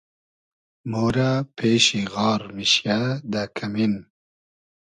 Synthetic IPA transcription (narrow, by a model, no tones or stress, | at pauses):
moːɾapʰeːɕiɣɑːɾmiɕjad̪ɐkʰɐmin